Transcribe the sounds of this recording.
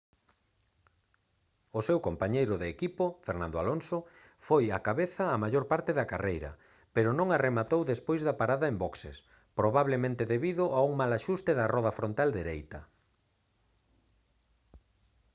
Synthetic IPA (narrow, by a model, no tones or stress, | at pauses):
ʊsewkompaɲejɾʊðeːkipofeɾnãnd̪oa̰lonso | fojakaβeθɐːmaʎoɾpaɾt̪ɪðɐkarejɾɐ̰ | peɾʊnõŋaremat̪owðespojzðɐpaɾaðɐembɔksḛs | pɾoβaβlemẽnt̪ɪðeβiðʊʔauŋmalaʃust̪eðɐrɔð̞ɐfɾont̪ald̪eɾejt̪ɐ̰